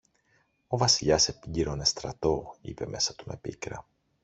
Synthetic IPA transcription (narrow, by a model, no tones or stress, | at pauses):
o̞vɐsiʎɐse̞piɟiɾo̞ne̞st̪ɾɐt̪o̞ḭpe̞me̞sɐt̪ume̞̰pikɾɐ̰